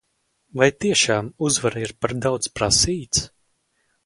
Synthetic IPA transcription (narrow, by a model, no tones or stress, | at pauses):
vajt̪iɛʃaːmuzvaɾaiɾpaɾd̪awt̪spɾasiːt̪s